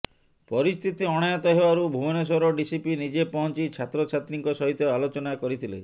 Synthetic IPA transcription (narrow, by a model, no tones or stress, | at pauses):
pɔɾist̪ʰit̪iɔɽ̃ajat̪ɔɦebaɾubʱubɔnes̬ɔɾɔɖisipinid͡ʒepɔɦɔnt͡ʃit͡ʃʰat̪ɾɔt͡ʃʰat̪ɾiŋkɔsɔɦit̪ɔalot͡ʃɔnakɔɾit̪ʰilḛ